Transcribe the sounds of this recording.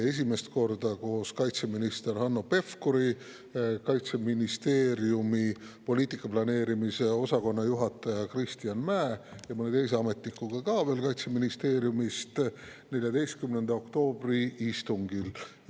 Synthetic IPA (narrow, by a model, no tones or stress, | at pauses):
e̞s̬ime̞st̪̚ko̞rd̪ɑko̞ːskɑjt̪se̞minist̪e̞ɾhɑnːo̞pe̞fkoɾi | kɑjt̪se̞minist̪e̞ːɾjumi | po̞lʲiːt̪ˑikːˑɑplɑne̞ːɾimise̞o̞sɑko̞nːɑjuɦɑt̪ːˑɑjɑkrist̪ijɑnmæːjɑmɤnet̪e̞js̬e̞ɑme̞t̪ˑnikːuɡ̥ɑkɑːve̞ːlkɑjt̪se̞minist̪eːɾjumist̪ | ne̞lʲjɑd̪e̞jst̪̚kymnend̪ɑo̞kt̪o̞ːbriist̪uŋɡil